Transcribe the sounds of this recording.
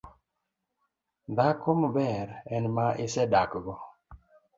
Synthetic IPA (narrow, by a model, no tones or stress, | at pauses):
nd̪akʰombɛɾɛnmaʔɪsɛdakɡɔ